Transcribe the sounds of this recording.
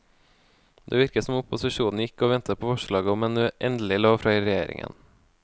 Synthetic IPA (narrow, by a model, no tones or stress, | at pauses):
d̪ḛːʋɪɾkəsɔmʊpʊsɪʃuːn̩jɪkːoːʋɛnt̪ʰəpʰoːfɔʃɭɑːɡəɔmeːnʉʔɛnd̪l̩ɪloːfɾɑːiːɾɛjeːɾɪ̰ŋʔə̰n